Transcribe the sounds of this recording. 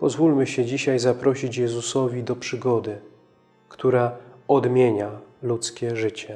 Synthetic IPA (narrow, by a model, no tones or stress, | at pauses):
pɔzvulmɘɕɛd͡ʑiɕajzapɾɔɕit͡ɕjɛzusɔvʲid̪ɔpʂɘɡɔd̪ɘ | kt̪uɾaɔd̪mʲjeɲalut̪skʲɛʐɘt͡ɕɛ